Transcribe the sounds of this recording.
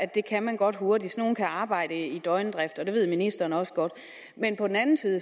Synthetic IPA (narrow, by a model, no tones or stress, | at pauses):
ædd̥e̝kʰæmænɡ̥ɒ̽d̥ɦo̝ɐdi̥sno̝ːn̩kʰæɑ̈ːb̥ɑ̈ɪ̰ɾ̥əid̥ɒɪnəd̥ʁɛfd̥ɒ̽d̥e̝ʋe̝ð̞̰ˠminisd̥ɐːnɒ̽sə̥ɡ̥ɒ̽d̥ | menpʰɒ̽d̥enænn̩siːð̩ˠə